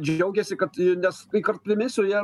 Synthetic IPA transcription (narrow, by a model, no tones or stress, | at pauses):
d͡ʒʲɛʊɡʲɛsʲɪkɐt̪ɪnʲɛsɪkɐrt̪ʲɪmʲɪsʲʊjiː